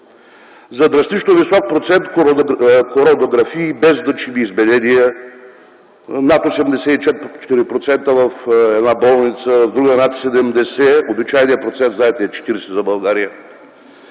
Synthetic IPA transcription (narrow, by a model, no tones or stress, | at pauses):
zɐd̪ɾɐst̪it͡ʃnovisɔk̚pɾot̪sɛnt̪k̪koɾɔd̪oɡɾɐfiːbɛzd̪ɐt͡ʃimiːzbɛd̪ɛd̪iɛ | nat̪osɛmd̪ɛsɛit͡ʃɛt̪̚t͡ʃɛ̥t̪iɾipɾot̪sɛnt̪əvɐfɛd̪nabɔlˠnit̪səvvd̪ɾuɡənat̪sɛd̪ɛmd̪ɛsɛobit͡ʃajnijəpɾot̪sɛnt̪zaɛt̪ɛːt͡ʃɛ̥t̪iɾɛsɛzɐbɐlˠɡaɾijə